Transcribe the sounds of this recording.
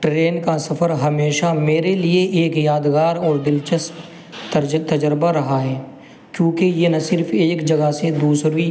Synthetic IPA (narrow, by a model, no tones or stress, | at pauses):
ʈɾeːnkasɐfʰəɾɦɐmeːʃameːɾelieʔeːkjaːd̪ɡaːɾɔːɾbɪlt͡ʃəs | t̪ɐd͡ʒəɾbaɾɐɦaɦɛː | kjõːkejenasɪɾfʰeːkd͡ʒɐɡased̪uːsɾʋi